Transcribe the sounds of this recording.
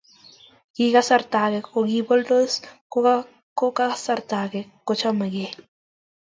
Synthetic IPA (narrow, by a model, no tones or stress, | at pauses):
ɡ̥iɣasaɾt̪aɣekoɣibold̪oskoa | kokaasaɾt̪aɡekot͡ʃamaɡe